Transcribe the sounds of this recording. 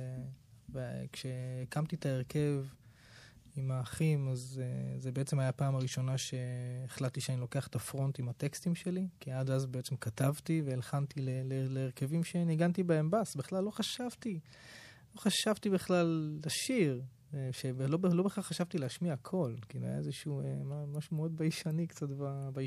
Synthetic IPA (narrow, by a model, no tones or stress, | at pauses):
vekʃe̞ekamt̪itaeʁke̞v | imaːχimazezebe̞et͡se̞majapaːmaʁiʃo̞naʃe̞ːχlatːiʃeanilo̞ke̞aχe̥t̪afʁo̞ntimat̪e̞kstimʃe̞likiadazbeet͡se̞mkatavtiveːlχantileleleːʁke̞vimʃeeniɡantibeembasbiχlalːo̞χaʃavt̪i | lo̞χaʃavtibiχlalːaʃiʁ | ʃeblo̞belo̞beχaʁχaʃavt̪ileaʃmiakʰo̞lkiilua̰ja̰ezeʃuemamaʃumeo̞d̪̚baiʃanikt͡satbaba